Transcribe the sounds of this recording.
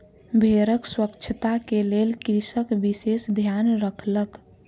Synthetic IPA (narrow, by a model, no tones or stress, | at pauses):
bʱeɾəkswəkt͡ʃʰət̪akelelkɾisəkbisesd̪ʱjanɾəkʰlək